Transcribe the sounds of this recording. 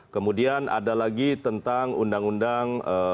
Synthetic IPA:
kəmudianʔa̰dalaɡit̪ənt̪aŋundaŋundaŋə

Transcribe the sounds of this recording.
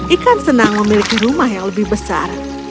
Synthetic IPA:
ʔikansənaŋməmilikiɾumahjaŋləbɪhbəsa̰r

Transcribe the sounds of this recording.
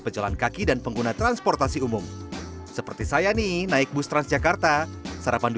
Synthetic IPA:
pəd͡ʒala̰nkakidanpəŋɡunat̪ɾanspɔrt̪asiumʊm | səpərt̪isajaninaɪk̚bust̪ɾansd͡ʒakart̪asaɾapand

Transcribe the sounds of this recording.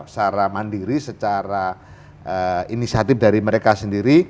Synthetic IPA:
p̚saɾamandiɾisət͡ʃaɾa | əinisiat̪ɪfdaɾiməɾekasəndiɾi

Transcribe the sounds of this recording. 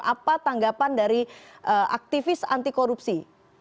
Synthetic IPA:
a̰pat̪aŋɡapandaɾiʔəʔa̰k̚t̪ifɪsa̰nt̪ikoɾupsi

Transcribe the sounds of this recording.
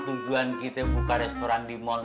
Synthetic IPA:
t̪ud͡ʒuankit̪ebukaɾɛst̪oɾandimɔl

